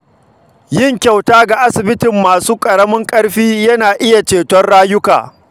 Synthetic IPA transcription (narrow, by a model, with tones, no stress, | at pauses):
jɪ˦ŋkʲa˨wtaː˦ɡa˨ʔa˦sɪ˨bɪ˦tɪ˨mːaː˨suː˦kʼɐ˨ɽɐ˦mɪ˦ŋkʼɐ˦ɽɸiː˦jɐ˦naː˨ʔɪ˦ja˨t͡ʃeː˨tɔ˦rɽaː˦jʊ˦ka̰ː˨